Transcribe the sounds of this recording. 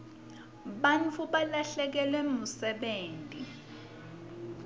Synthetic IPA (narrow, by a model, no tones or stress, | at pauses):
ɓant͡fʰuɓalaɬɛk̬ɛlwɛmusɛɓeːntʼi